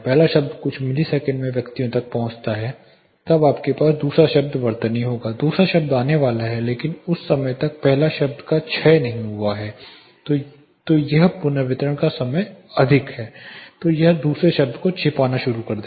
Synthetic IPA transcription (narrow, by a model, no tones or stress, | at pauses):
pɛɦlaʃɐbd̪kʊt͡ʃʰmɪlisɛːkə̃ɳɖmẽʋjɐkt̪ijõt̪ɐk̚pɐɦʊ̃t͡ʃt̪aɦɛː | t̪ɐbaːpkepaːsd̪uːsɾaʃɐb̚d̪ʋɐɾt̪nɦĩɦoːɡaːd̪uːsɾaʃɐb̚d̪aːneʋaːlaɦɛleːkɪnʊsːɐməjt̪ɐk̚pɛɦlaʃɐb̚d̪kat͡ʃʰɛjnɐɦĩɦuaɦɛː | t̪ojɐɦpʊnʋɪt̪ɾəɽ̃kasɐməjɐd̪ʱɪkɦɛːt̪oːjɐɦd̪uːsɾeʃɐbd̪kot͡ʃʰɪpaːnaʃʊɾukɐɾd̪e